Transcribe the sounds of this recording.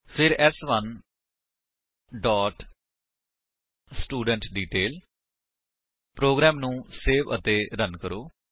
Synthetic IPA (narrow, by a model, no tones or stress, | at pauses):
pʰɪɾɛːsʋən | ɖɔːʈ | sʈuːɖəɳʈɖiːʈeːl | pɾoːɡɾɛːmnũːseːʋə̰t̪eːɾənkəɾoː